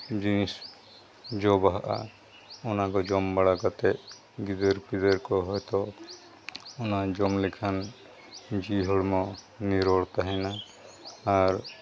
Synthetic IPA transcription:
d͡ʒinis | d͡ʒɔbaɦaʔa̰ | ɔnakɔd͡ʒɔmbaɽakat̪ɛʔ | ɡid̪ɔɾpid̪ɔɾkɔɦɔjt̪ɔ | ɔnad͡ʒɔmlɛkʰan | d͡ʒiɦɔɽmɔ | niɾɔɽt̪aɦɛnaː | ɾ

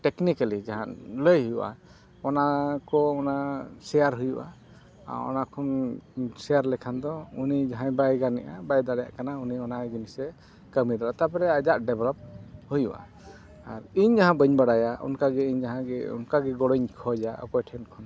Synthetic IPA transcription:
ʈɛknikalid͡ʒaɦanləjɦujuʔa̰ | ɔnakɔɔnasɛjaɾɦujuʔa̰ | ɔ̰nakʰɔnsɛjaɾlɛkʰand̪ɔunid͡ʒaɦãj̃bajɡanɛʔabajd̪aɽɛja̰ʔkanauniɔnajɡimisɛ | kəmid̪aɾat̪apɛɾɛad͡ʒaʔɖɛblɔp̚hujuʔa̰ | aɾiɲd͡ʒaɦãbəɲbaɽajaṵnkaɡɛiɲd͡ʒaɦãɡɛṵnkaɡɛɡɔɽɔɲkʰɔd͡ʒaa̰kɔjʈʰɛnkʰɔn

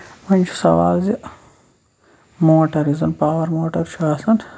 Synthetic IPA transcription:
mɐnʲt͡ʃʰu̥sɐ̰ʋa̰ːlzi | moːʈɐɾizɐnpaːwɐɾmoːʈɐɾt͡ʃʰaːsɐn

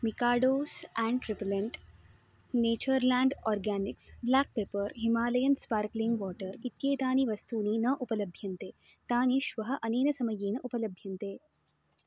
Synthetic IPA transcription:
mikaːɽoːsæ̃ɳɖʈɾipleɳʈ | neːt͡ɕəɾlæ̃ːɳɖɔːɾɡæːniksblaːk̚peːpəɾɦimaːlɐjənspaːɾklĩŋɡʋɔːʈəɾit̪jeːt̪aːniʋɐst̪uːniːnəʔupəlɐbʱjɐnt̪eː | t̪aːniːʃʋɐɦɐʔɐneːnɐsɐməjeːnɐʔupələbʱjɐnt̪eː

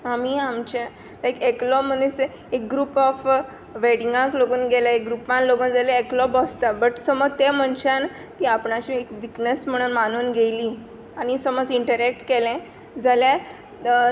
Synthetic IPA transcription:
amiːamt͡ɕẽ | lajkeklɔm̤ənese | ek̚ɡɾuːpɔf | ʋeɽĩŋɡãkloɡuːnɡelaek̚ɡɾupãnloɡuːnd͡zalẽːklɔbɔst̪abəʈsəmɔd͡zt̪em̤əɳt͡ɕan | t̪iːapɳat͡ɕiekʋiknəsm̤əɽ̃uːnmanuːnɡʱeliː | aɽ̃isəmɔd͡ziɳʈəɾek̚ʈkelẽ | d͡zalja

